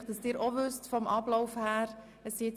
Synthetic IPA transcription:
χd̥ɑsd̥ɪːɾɔʋʏstfɔmʔɑblɔʊfhæːɾ | əsɪ

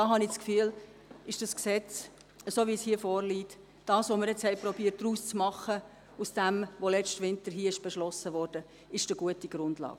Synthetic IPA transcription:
dɑːɦɑnɪskfyːl | ɪʃd̥ɑsksɛt͡s | əsoːʋishiəfɔːrliːt | d̥ɑːsʋoməɾjɛt͡shɛɪprɔbiːəɾt̚d̥ɾuːst͡smɑχə | usd̥ɛmʋolɛt͡ʃtʋɪntəɾɦiːəɪʃb̥ɛʃlɔsəʋɔːɾd̥ə | ɪʃd̥əɡ̥uətiɡ̥ɾʊndlɑ̰ːɡ̥̚

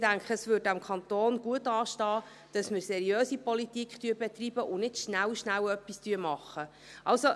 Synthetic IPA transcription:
d̥æŋkχəəsvʏːɾdæmkʰɑnt̪oːnɡ̥uətɑːʃtɑː | d̥ɑsmɪɾsɛɾiøːsipɔlitikχtyəbɛtriːb̥əʔʊnɪdʃnæwʃnæwœpːistyəmɑχːə | ʔɑlso

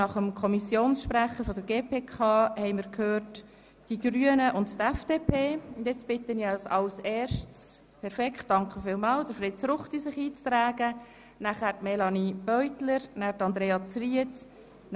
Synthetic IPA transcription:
ɑχəmkʰɔmisjoːnsʃpɾæχəɾfɔdəɾɡeːpʰeːkʰɑːhɛɪmɪɾkʰhøːɾt | d̥iɡɾyənəʔʊnttːɛfd̥eːpʰeːʊndjɛt͡sb̥ɪtəniəsɑlsɛːɾʃtt͡s | pʰɛɾfɛkχt̚d̥ɑŋkʰəfɪːlmɑːld̥əɾfɾɪtt͡sɾʊχtisɪχiːt͡st̪ɾæːɡə | næχæːɾtmɛlɑnib̥œʏtləɾnæːɾtɑnd̪ɾeːɑt͡sriət

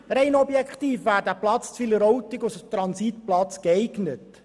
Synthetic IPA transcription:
ɾɛɪnɔbjɛkχtiːfʋæːɾdæplɑt͡st͡sfiləɾɔwtɪɡʊsət̪ɾɑnsitplɑt͡skɛɪɡnət

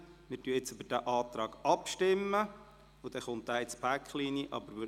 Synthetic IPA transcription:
mɪːɾtyəɪt͡søbəɾd̥æːʔɑːt̪ɾɑːɡ̥ɑpʃtɪmːə | ud̥̪ɛχʊnt̪̚d̥æːɪt͡spʰækχliːniəʔɑ̰bəɾʋɪ

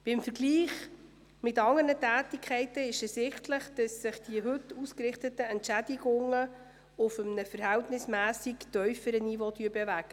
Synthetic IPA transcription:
b̥ɪmfəɾɡliːχ | mɪtɑŋəɾnətæːtɪkʰχɛɪtəɪʃɛssɪχtləχd̥ɑsːɪχd̥iəɦɵtːuːskɾɪχtətəɛntʃædiɡʊŋə | ʊfəmnəfəɾhæltnɪsmæːsiktœʏfəɾənivotyəɾbevæɡ̥ə

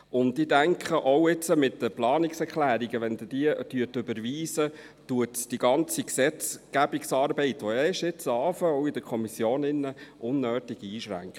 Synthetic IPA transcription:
ʊntidæŋkχəʔɔʊɪt͡səmɪtdəplɑːniksɛɾklæːɾiɡəʋɛndd̥iəd̥yətɵbəɾʋiːzə | tuətsd̥iɡɑnt͡siksɛt͡sɡ̥æbiksɑːɾbɛɪtʋɔɛɪʃɪt͡sɑːfəœɔwɪd̥̪əkʰɔmisjoːnɪnːəʔʊnːøːtiɡiːʃɾæ̰ŋkχə

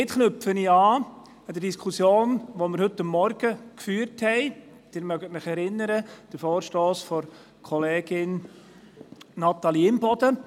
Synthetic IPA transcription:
ɪtχnɵfəniɑː | ɛd̥̪əɾdiskʰusjoːnʋomɪɾhɵtːɑmːɔɾɡ̥əkfyːɾthɛɪ | d̥ɪːɾmœɡətmɪχɛɾɪnːəɾəd̥əɾfoːɾʃtoːsfɔɾ | kʰɔleːɡ̥ɪn | nɑt̪ɑliɪmbɔd̪ə

